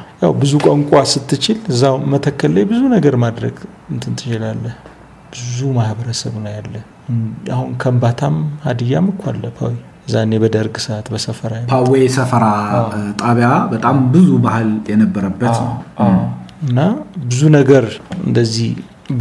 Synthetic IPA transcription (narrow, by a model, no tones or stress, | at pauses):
jawbɨzukʼəŋkʷʼasɨt̪ʰːɨt͡ʃɪlɨzːamət̪ʰəkːəlːəjbɨzunəɡəɾmad̪ɾə̰ɡ | ɨnt̪ʰɨnt̪ʰɨ̥t͡ʃɪlalːəh | b̥ɨzumahbəɾəsəβnəwjalːəh | a̰hunkʰəmbat̪ʰamad̪ɨjːamɨkʰʷːalːəpʰa̰wi | ɨzːaɨne̞bəd̪əɾɡsɨat̪bəsəfəɾajpawesəfəɾat̪ʼaβjabət̪ʼambɨzubahɨljɛnəbːəɾəbːət̪nəw | ɨnːabɨzunəɡəɾɨ̰nd̪əzːih